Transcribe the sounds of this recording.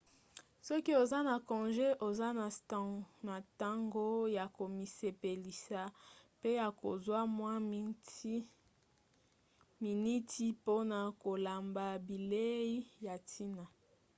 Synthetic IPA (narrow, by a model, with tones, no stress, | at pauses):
sɔ˦ki˦o˨za˦na˨kɔ̃˨ʒe˦ʔo˨za˦na˨ | na˨ta˦ŋɡo˦ja˨ko˨mi˨se˨pe˨li˨sa˨pe˦ja˨ko˨zwa˦mwa˦ | mi˨ni˦tʰi˦po˦na˨ko˨la˨mba˨bi˨le˦i˦ja˨tʰi˦na˨